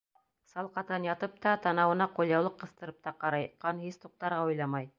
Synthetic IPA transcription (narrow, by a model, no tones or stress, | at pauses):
sɑlˠqɑt̪ɑnjɑt̪ɤp̚t̪ɑt̪ɑnɑwɤ̆nɑqulʲˠjɑwlˠɤqːɤ̆st̪ɤ̆ɾɤp̚t̪ɑqɑɾɑjqɑnɦist̪uq̚t̪ɑɾʁɑujlˠɑmɑj